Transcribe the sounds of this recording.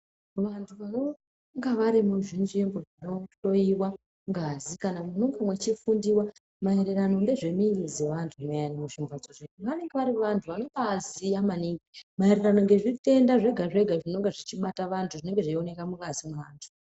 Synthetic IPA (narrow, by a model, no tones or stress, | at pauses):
ʋantʰuʋano̞ | ŋɡaʋaɾimuʐinʐemboʐano̞to̞iwa | ŋɡazikanamunoŋɡamwet͡ʃifundiwa | maiɾeɾano̞nde̞ʐe̞mirize̞ʋantʰumejanamuʃimbad͡zoʐeuʋane̞ŋɡeʋaɾiʋantʰuʋano̞kaziamaniːŋɡimaeɾerano̞ŋɡe̞ʐite̞ndaʐe̞ɡʱaʐe̞ɡʱaʐino̞ŋɡeʐit͡ʃiɓataʋantʰuʐine̞ŋɡeʐaio̞ne̞kamukazimuʋaːntʰu̥